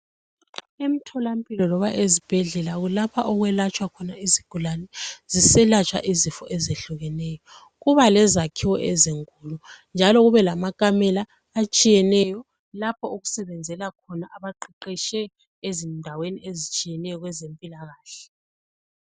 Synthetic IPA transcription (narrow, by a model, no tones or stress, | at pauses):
emitʰɔlampʼilɔlɔβaʔezib̥ʱɛɮɛlaɣulapʰaʔɔɣwɛlat͡ʃʼwakʰɔnaiziɡ̥ʱulanɛzisɛlat͡ʃʼwa̰ʔizifɔ̰ʔɛzeɬuɣɛnɛːjɔ | ɣuβalɛzakʰiwɔʔɛziŋkʼulund͡ʒʱalɔɣuβɛlamakʼamɛlaː | t͡ʃʼijɛnɛjɔ | lapʰɔuɣusɛβɛnd͡zʱɛlakʰɔnaʔaβaǃiǃiʃɛ | ezindʱaweniezit͡ʃʼijɛnɛjɔɣwɛzempʼilaɣaːɬɛ